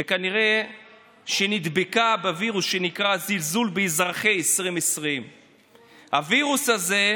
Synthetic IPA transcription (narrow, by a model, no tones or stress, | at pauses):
vekaniʁe̞ | ʃenid̪bekabeviʁusʃenikʁazilzulbeizʁaχejesʁimesʁim | haviʁushaze̞